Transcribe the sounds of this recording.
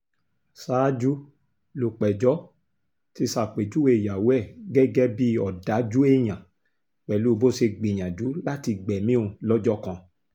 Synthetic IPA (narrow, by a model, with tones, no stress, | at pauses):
saː˨˦d͡ʒu˦ | lu˨k͡pɛ˨d͡ʒɔ˨˦ | ti˧sa˨k͡pe˨d͡ʒu˦we˧˨ja˨wɛ˦˨ɡɛ˦ɡɛ˦bi˦ɔ˨da˨˦d͡ʒu˦e˦j̃ã˨ | k͡pɛ˨lu˦˧bo˦se˧ɡ͡bi˨j̃ã˨d͡ʒu˨˦la˦ti˧ɡ͡bɛ˨mĩ˦õ˧lɔ˦d͡ʒɔ˦kã˧